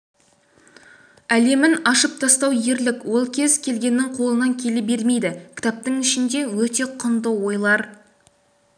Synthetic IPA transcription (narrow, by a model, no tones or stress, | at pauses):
æle̞mɪnɑʃəp̚t̪ʰɑst̪ɑwje̞ɾlɪkwo̞lˠkʲʰe̞zkʲʰe̞lɡʲe̞nːɪŋqʰo̞lˠənɑŋkʲʰe̞lɪbe̞ɾme̞jd̪ɪkʲʰɪ̥t̪ɑp̚t̪əŋɪʃɪnd̪e̞wɵt̪e̞qʰʊnd̪əwo̞jlˠɑɾ